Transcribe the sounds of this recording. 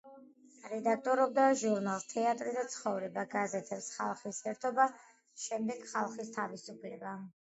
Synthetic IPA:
ɾɛd̪ak̚t̪ʼɔɾɔb̚d̪aʒuɾnalˠst̪ʰɛat̪ʼɾid̪at̪sʰχɔvɾɛbaɡazɛt̪ʰɛpsχalˠχisɛɾt̪ʰɔba | ʃɛmd̪ɛɡχalˠχist̪ʰavisupʰlɛba

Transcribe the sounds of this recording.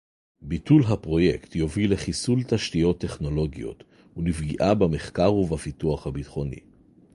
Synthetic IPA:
bitulɦapʁo̞je̞̰ktjo̞vileχisult̪aʃtijo̞tːe̞χno̞lo̞ɡijo̞̰t̪ | ulivɡiʔabameχkaʁuvafituaχhabit̪χo̞nḭ

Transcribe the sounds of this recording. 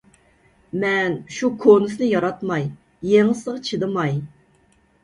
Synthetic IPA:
mɛnʃukʰonɨsnɨjɑɾɑt̪mɑjː | eŋɨsəʁt͡ʃʰɨd̪ɨmɑj

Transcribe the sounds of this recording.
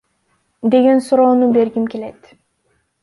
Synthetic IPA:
d̪e̞ɡe̞nsuɾo̞ːnube̞ɾɡimke̞le̞t̪

